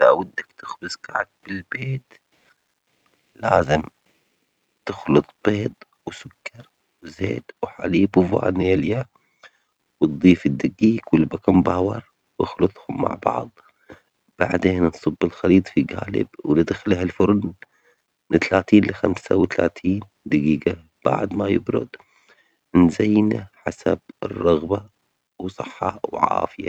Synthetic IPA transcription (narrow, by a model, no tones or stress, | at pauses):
aʔwɪd̪ːakt̪ɪxbɪzkaʕad̪̚b̥ɪlbeːt̪ | laːzɪm | t̪ɪxlɨt̪ˤb̥eːd̪ˤ | wsʊkːɑɾˤ | wzḛːd̪wħa̰liːbwva̰ːnjalja | wɨt̪̚d̪ˤiːfɪd̪ːɪɡiːkwɪlbakambaːwɑɾˤ | wɪxlɨt̪ˤhʊmːa̰ʕbɑ̰ʕðˤ | b̥aʕd̪eːnnsˤɨbːɪlxɑliːt̪ˤfiɡaːlɪ̰bwnɪd̪xɪlhɪlfʊɾˤn | mɪnt̪alaːt̪iːnlɪxamsawt̪alaːt̪ʰiːn | d̪aɡiːɡa | b̥a̰ʕd̪majɪbɾʊ̰d̪ | nzajːnaħasab̚ɪrˤːɑɣba | wsˤɑħːɑwʕa̰ːfɪja